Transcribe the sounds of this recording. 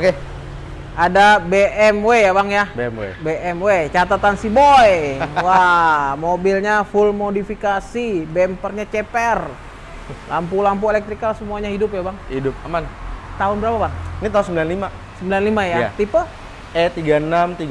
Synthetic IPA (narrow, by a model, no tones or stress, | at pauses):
oke | adabeʔɛmwejabaŋjabeɛmwḛbeʔɛmwet͡ʃat̪at̪ansibojwamobilɲafulmodifikasibɛmpərɲat͡ʃɛpɛr | lampulamp̬uelɛk̚t̪ɾikalsəmuaɲaɦidʊpjabaŋhidʊp̚amant̪aʊnbəɾapabaŋnit̪aunsəmbilanlima | səmbilanlimajaat̪ipə | ɛt̪iɡanamt̪iɡ